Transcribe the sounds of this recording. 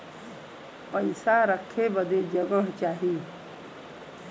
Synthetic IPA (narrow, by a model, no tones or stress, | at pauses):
pəɪsaɾəkʰːebəd̪ed͡ʒəɡəɦt͡ʃaːɦiː